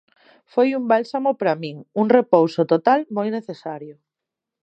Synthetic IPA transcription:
fojumbalsamopaɾamĩŋuŋrepowsot̪ot̪almojneθesaɾjʊ

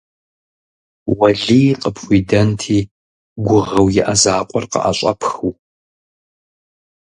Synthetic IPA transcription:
wɐɮiːqʼəpʰxʷiːdɐntʰiː | ɡʷʊʁɐwjɪʔɐzaːqʷʼɔrqə̰ʔa̰ɕʼɐ̰pʰxuw

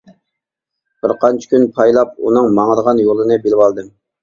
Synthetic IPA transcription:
b̥ɪɾqʰɑnt͡ʃʰɪ̥kʲʰynpʰɑjlˠɑp̚ṵnɨŋmɑŋəɾəʁɑnjolˠɨnɨbelɪwɑlˠd̪ɨm

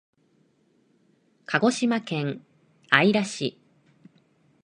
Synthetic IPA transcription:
kʰaɡo̞ɕimakẽ̞ŋ | aiɾaɕḭ

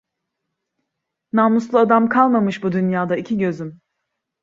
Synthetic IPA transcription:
nanuslˠuad̪amkʰalˠmamɯʃbud̪ynjaːd̪aicʰiɟø̞zym

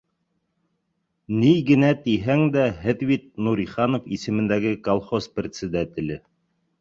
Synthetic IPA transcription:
niɡɘ̆næt̪iɦæŋd̪æɦɘðbit̪̚nuɾiχɑnofisɘ̆mɘ̆nd̪æɡɘkolˠχosprʲet̪sʲɘd̪æt̪ʲɪ̆lɘ

